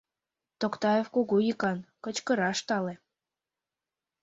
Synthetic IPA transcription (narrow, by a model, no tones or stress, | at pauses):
t̪okt̪ɑjefkoɣojikɑnkə̆t͡ɕkə̆ɾɑʃt̪ɑle